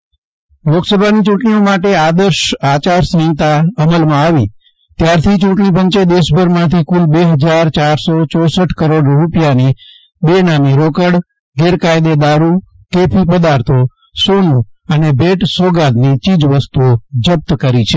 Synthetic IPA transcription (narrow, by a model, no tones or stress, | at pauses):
loksəbʱanit͡ʃũʈɳiomaʈead̪əɾʃat͡ʃaɾsə̃ĩt̪aəməlmãaʋi | t̪jaɾt̪ʰit͡ʃũʈɳipəɲt͡ʃed̪eʃbʱəɾmãt̪ʰikulbeɦəd͡ʒaɾt͡ʃaɾsot͡ʃɔsəʈʰkəɾoɖɾupjani | benamiɾokəɽ | ɡeɾkajd̪ed̪aɾu | kepʰipəd̪aɾt̪ʰo | sonũənebʱeʈsoɡad̪nit͡ʃid͡ʒʋəst̪uod͡ʒəp̚t̪kəɾit͡ʃʰe